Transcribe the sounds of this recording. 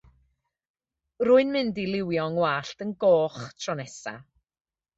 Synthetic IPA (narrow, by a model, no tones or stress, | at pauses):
rʊɨnmɪndilˠɪwjɔŋwaːɬtənɡoːχtʰrɔnɛsa̰